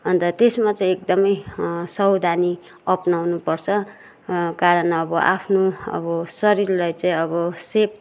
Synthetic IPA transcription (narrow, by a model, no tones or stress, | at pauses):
ʌnt̪ʌt̪esmat͡saĩekd̪ʌmʌjsʌwd̪ʱani | ʌpnawnupʌrt͡sʰʌ | kaɾʌnʌbʌʔa̰pʰnoʌ̰bʌsʌɾiɾlajt͡saĩʌβʌsep̚